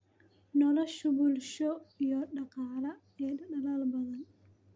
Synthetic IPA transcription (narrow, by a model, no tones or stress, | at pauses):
nɔlɔʃubulʃɔjɔːɗɐqaːlɐ | ɛɗɐɗɐlaːlbɐðɐn